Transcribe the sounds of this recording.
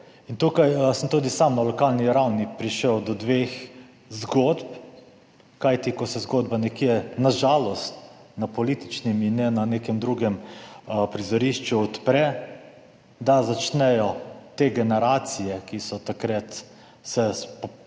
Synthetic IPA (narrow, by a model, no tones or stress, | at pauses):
int̪uːkajsəmt̪uːd̪isamnalɔkalniɾawnipɾiʃəwd̪ɔd̪ʋex | zɡod̪p | kajt̪ikɔsɛzɡoːd̪banɛkjɛnaʒalɔst̪napɔliːt̪i̥t͡ʃniminːɛnaneːkɛmd̪ɾuːɡɛm | pɾizɔɾiʃt͡ʃuɔt̪pɾɛ | d̪azat͡ʃnɛjɔt̪eɡɛnɛɾaːt̪sijɛkisɔt̪akɾat̪ | sɛsp